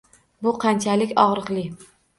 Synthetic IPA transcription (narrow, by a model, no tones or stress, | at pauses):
bʊqʰɑnt͡ʃʰalɪkʲɒʁɾɨqlˠɪ